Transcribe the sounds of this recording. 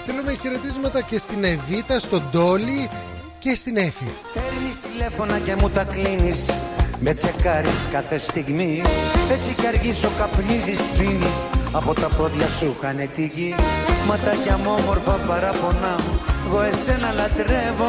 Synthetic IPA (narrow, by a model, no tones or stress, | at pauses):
st̪elumeçe̞ɾe̞t̪izmɐt̪ɐce̞st̪ine̞vit̪ɐst̪o̞d̪o̞li | ce̞st̪inefi | peɾnist̪ile̞fo̞nɐce̞mut̪ɐklinismet͡se̞kɐɾiskɐθest̪iɣmie̞t͡sikɐɾʝiso̞kɐpnizist̪inisɐpo̞t̪ɐpoðʝɐsukɐnet̪ikimɐt̪ɐʝɐmo̞mo̞ɾfɐpɐɾɐpo̞nɐmuɣo̞e̞se̞nɐlɐt̪ɾe̞vo̞